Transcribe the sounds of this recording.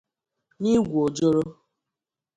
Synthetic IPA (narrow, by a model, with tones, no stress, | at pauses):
ni˦ɡʷu˨o˨d͡ʒo˦ɾo˦